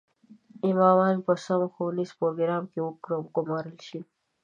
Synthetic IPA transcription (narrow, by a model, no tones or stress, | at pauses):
imɑːwɑːnpəsɐmxonizpoɾɡɾɑːmkewukɾɡʊmɑːɾəlʃi